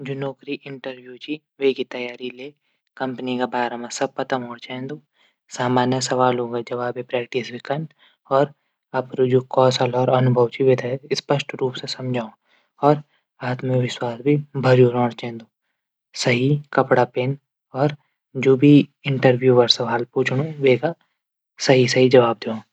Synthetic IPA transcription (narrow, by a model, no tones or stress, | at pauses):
d͡ʒonoːkɾiʔɪ̃ɳʈəɾbjut͡ʃi | ʋeːkit̪ɐjaːɾileː | kɐ̃mpnikabaːɾəmasɐb̚pɐt̪əmɦõːɽt͡ʃɛ̃ːnd̪uː | saːmaːnjəsɐʋaːlɦõːɡad͡ʒɐʋaːbepɾɛːk̚ʈisɪkən | ɔːɾ | apɾod͡ʒoːkɔːsalɔːɾɐnʊbʱəʋt͡ʃiʋet̪spəʃʈɾuːpsesɐmd͡ʒʱaːõ | ɔːɾ | aːt̪mẽʋɪʃwaːsbʱibʱɐd͡ʒuːɾɔ̃ːɽt͡ʃɛ̃nd̪oː | sɐɦikɐpɽapeːn | ɔːɾ | d͡ʒoːbʱiɪ̃ɳʈəɾbjuːʋɐɾsɐʋaːlpuːt͡ʃʰɽ̃õʋeːɡa | sɐɦisɐɦid͡ʒɐʋaːb̚d̪eõ